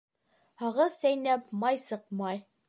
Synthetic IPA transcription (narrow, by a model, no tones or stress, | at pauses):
hɒʁɤzsæjnæpmɑjsɤq̚mɑj